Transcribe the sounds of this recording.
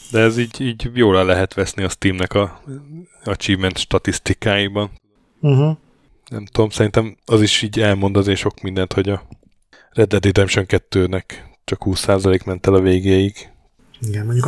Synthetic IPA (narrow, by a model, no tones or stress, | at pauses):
d̪ɛɛziːɟiːɟjoːlalɛɦɛt̪ʋɛsniɒst̪iːmnɛkɒ | ɒt͡ʃivmɛnt̪ʃt̪ɒt̪ist̪ikaːjibɒn̩ | ɦ̩ | nɛ̰mt̪ud̪omsɛɾint̪ɛmɒziʃiːɟɛlmo̞nd̪ɒzeːʃo̞kmind̪ɛnt̪ho̞ɟɒ | rɛd̪ːɛt̪eːt̪ɛmʃøŋkɛt̪ːøːnɛkt͡ʃɒkhuːsːaːzɒleːkmɛnt̪ɛlɒveːɡeːjiɡ | iɡɛnmoɲuk